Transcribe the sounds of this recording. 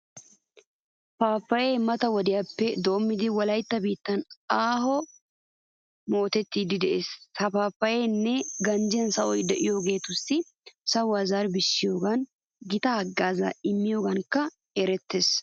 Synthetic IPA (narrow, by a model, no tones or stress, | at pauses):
paːfːɐje̞ːmɐt̪ɐwɔd̪ɪjaːpːɛd̪o̞ːmːɪd̪ɪwɐlɐjt̪ːɐbiːt̪ːɐnaːɦɔ | mo̞ːt̪ɛt̪ːiːd̪ɪd̪ɛʔeːshɐpaːfːɐjeːnːɛɡɐnd͡ʒɪjɐnsɐʔɔjd̪ɛʔɪjo̞ːɡe̞ːt̪ʊsːɪ | sɐwaːzaːɾbɪʃːɪjo̞ːɡɐn | ɡɪt̪ɐɐɡːaːzɐ̰ɪmːɪjo̞ːɡɐŋkɐ | ɛɾɛt̪ːe̞ːs